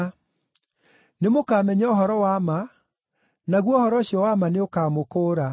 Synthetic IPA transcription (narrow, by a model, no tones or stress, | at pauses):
nemokaːmɛɲaoɦɔɾɔwama | naɣwɔhɔɾɔɕjɔwamaneokaːmokoːɾa